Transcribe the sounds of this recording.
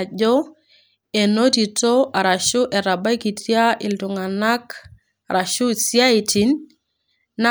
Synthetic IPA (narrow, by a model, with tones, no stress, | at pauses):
d͡ʒɔ˦ | e˨no˦ti˨to˦ʔa˨ɾa˨ʃʊ˦ʔɛ˨ɾa˨ba˦i˦ki˨tʰja˦ʔɪ˨ltʊ˨ŋa˨na˦k | ɾa˨ʃu˦sja˦i˨ti˨˦nː | a˦